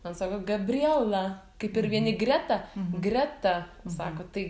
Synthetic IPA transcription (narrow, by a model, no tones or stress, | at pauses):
mɐnsɑːkoːɡɐbʲrʲiɛlˠɐkɐɪpɪɾʋʲiɛnʲɪɡrʲæt̪ɐɡɾʲæt̪ɐsɑːkoːt̪ɐɪ